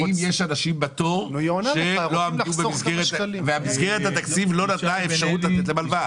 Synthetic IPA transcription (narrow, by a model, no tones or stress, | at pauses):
imjeʃanaʃimbat̪o̞ʁʃelo̞amd̪ubemizɡeʁeveamizɡe̞ʁet̪hat̪akt͡sivlo̞nat̪naefʃaʁut̪lat̪et̪̬lemalva